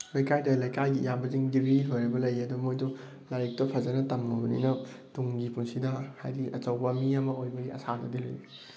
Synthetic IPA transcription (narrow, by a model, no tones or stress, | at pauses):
lɐjkajdɐlɐjkajɡijambɐziŋɡiɾiɦojɾibɐlɐjɐdumojdu | lajik̚tɐpʰɐzɐnɐtɐmŋɐbɐnḭnɐ | tuŋɡipunsidɐha̰jdiʔɐt͡ʃɐwbɐmiɐmɐojbɐɡiɐ̰sanɐ̰dilo̰ji